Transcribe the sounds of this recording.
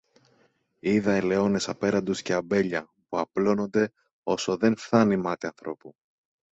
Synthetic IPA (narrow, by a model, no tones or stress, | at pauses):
iðɐele̞o̞ne̞sɐpe̞ɾɐnd̪osceɐbe̞ʎɐ | puɐplo̞no̞nd̪e̞ | o̞so̞ðe̞nfθɐnimɐt̪iɐnθɾo̞̰pu